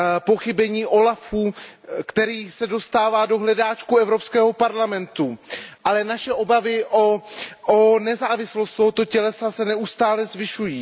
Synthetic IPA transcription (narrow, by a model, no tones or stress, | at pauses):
po̞xɪbɛɲiːʔo̞lafuːkt̪ɛɾiːsɛdo̞st̪aːvaːdo̞ɦlɛdaːt͡ʃkuɛvɾo̞pskɛːɦo̞paɾlamɛnt̪uʔalɛnaʃɛʔo̞bavɪʔoʔonɛzaːvɪslost̪t̪o̞ɦo̞t̪o̞cɛlɛsasɛnɛust̪aːlɛzvɪʃujiː